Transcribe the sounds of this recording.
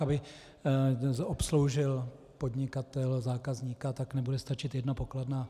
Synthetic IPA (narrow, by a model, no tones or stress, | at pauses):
abɪ | opslo̞wʒɪl | po̞dɲɪkat̪ɛlzaːkazɲikat̪aknɛbudɛst̪at͡ʃɪt̪jɛdnopo̞kladnaː